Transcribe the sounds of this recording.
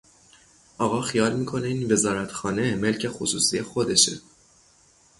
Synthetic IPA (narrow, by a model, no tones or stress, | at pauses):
ʔɒːɣɒːxijɒːlmiːkʰo̞neiːnve̞zɒːɾæt̪ʰxɒːne̞me̞lcʰe̞xosuːsijexo̞d̪e̞ʃḛ